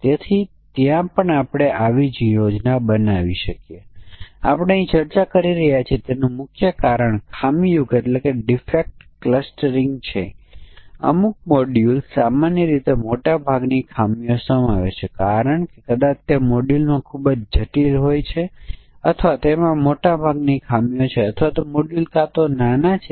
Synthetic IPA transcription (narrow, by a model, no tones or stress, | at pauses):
t̪et̪ʰi | t̪jãpəɳapɽ̃eʔaʋid͡ʒijod͡ʒnabənaʋiʃəkjea̰pɳ̃eəĩt͡ʃəɾt͡ʃakəɾiɾəɦjat͡ʃʰiet̪enũmʊkʰjəkaɾəɳkʰamijukeʈlekeɖifek̚ʈkləsʈəɾĩŋɡt͡ʃʰe | ə̰muk̚moɖjulsamanjəɾit̪emoʈabʱaɡnikʰamijosəmaʋḛt͡ʃʰekaɾəɳkekəd̪at͡ʃt̪emoɖulmãkʰubəd͡ʒd͡ʒʱəʈilɦojt͡ʃʰeət̪ʰʋat̪oemãmoʈabʱaɡnikʰamijõt͡ʃʰeət̪ʰʋat̪omoɖjulkat̪onanat͡ʃʰe